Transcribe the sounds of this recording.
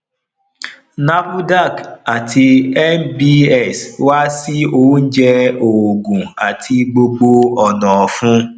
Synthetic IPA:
na˦bu˦da˦˨ka˨ti˧ɛ˦nbi˦ɛ˦˨swa˦si˦o˦n̩˦d͡ʒɛ˦o˨ɡũ˨a˨tʰi˧ɡ͡bo˧ɡ͡bo˧ɔ˨nɔ̃˨fũ˦

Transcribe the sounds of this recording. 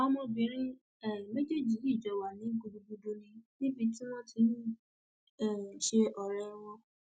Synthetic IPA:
ɔ˧mõ˧bĩ˨˦ɾ̃ĩ˦ | ɛ˦˨me˦d͡ʒe˦˨d͡ʒi˨˦i˦˨d͡ʒɔ˨˦wa˨nĩ˨˦ɡu˧du˧ɡu˧du˧nĩ˧nĩ˦bi˧ti˦w̃ɔ̃˦ti˨˧˦ | ɛ˦˨ʃe˧ʔɔ˨ɾɛ˧w̃ɔ̃˧

